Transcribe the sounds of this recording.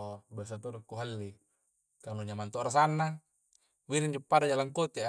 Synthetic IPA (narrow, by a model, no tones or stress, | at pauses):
bias̬at̪oɾokːuɦalːi | kanuɲamant̪oʔɾasanːa | wiɾind͡ʒupːadad͡ʒalaŋkot̪ea